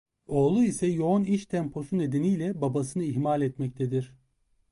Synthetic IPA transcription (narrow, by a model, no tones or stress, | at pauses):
o̞lˠuisɛjo̞oniʃt̪ʰɛmpʰo̞sune̞d̪enijlʲɛbabasɯnɯiçmalʲɛt̪mɛc̚t̪ʰɛd̪iɾ̥